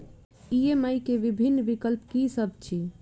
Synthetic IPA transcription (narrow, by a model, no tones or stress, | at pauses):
ieməjkeʋibʱinːʋikəlpkisəb̚ʱt͡ʃʰi